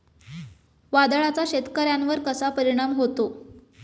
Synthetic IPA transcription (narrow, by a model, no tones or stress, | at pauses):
ʋad̪əɭat͡saɕet̪kəɾjanʋəɾkəsapəɾiɽ̃amɦot̪o